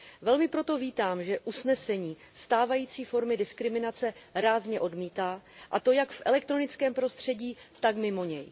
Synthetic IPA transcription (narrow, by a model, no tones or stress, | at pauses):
vɛlmɪpɾo̞t̪o̞viːt̪aːmʒɛʔusnɛsɛɲiː | st̪aːvajiːt͡siːfo̞ɾmɪdɪskɾɪmɪnat͡sɛɾaːzɲɛʔo̞dmiːt̪aːʔat̪o̞jakfʔɛlɛk̚t̪ɾo̞nɪt͡skɛːmpɾo̞st̪r̥ɛɟiːt̪akmɪmo̞ɲɛ̰j